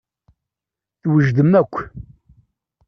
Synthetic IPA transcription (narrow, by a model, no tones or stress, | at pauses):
θwəʒd̪əmækʷː